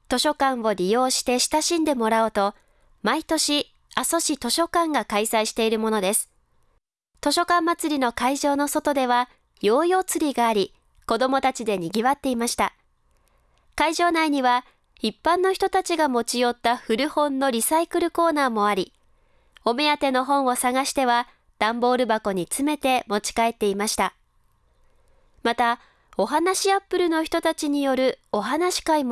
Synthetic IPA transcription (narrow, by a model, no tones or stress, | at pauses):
t̪o̞ɕo̞kãɰ̃βo̞ɾʲijo̞ːɕi̥t̪e̞ɕi̥t̪aɕĩnd̪e̞mo̞ɾaot̪o̞ | mait̪o̞ɕi | aso̞ɕit̪o̞ɕo̞kãŋɡakaisaiɕi̥t̪e̞iɾɯ̟mo̞no̞d̪e̞sɨ̥ | t̪o̞ɕo̞kãmːat͡sɨɾʲino̞kaiʑo̞ːno̞so̞t̪o̞d̪e̞β̞a | jo̞ːjo̞ːt͡sɨɾʲiɡaːɾʲi | ko̞d̪o̞mo̞t̪at͡ɕid̪e̞ɲ̟iɡʲiβat̪ːe̞imaɕi̥t̪a | kaiʑo̞ːnaiɲ̟iβa | ipːãnːo̞çi̥t̪o̞t̪at͡ɕiɡamo̞t͡ɕijo̞t̪ːaɸɯ̟ɾɯ̟hõ̞nːo̞ɾʲisaikɯ̟ɾɯ̟ko̞ːnaːmo̞aɾʲi | o̞me̞jat̪e̞no̞ɦõ̞ɰ̃o̞saɡaɕi̥t̪e̞βa | d̪̥ãmbo̞ːɾɯ̟bako̞ɲ̟it͡sɨme̞t̪e̞mo̞t͡ɕi̥kae̞t̪ːe̞imaɕi̥t̪a | mat̪a | o̞ɦanaɕiapːɯ̟ɾɯ̟no̞çi̥t̪o̞t̪at͡ɕiɲ̟ijo̞ɾɯ̟o̞ɦanaɕi̥kaimo